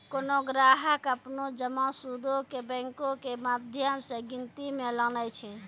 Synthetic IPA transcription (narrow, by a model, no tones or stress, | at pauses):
konoɡɾaɦəkəpnod͡ʒəmãsud̪okebɛ̃ŋkokemad̪ʱjəmsẽɡint̪imelənəjt͡ʃʰɛ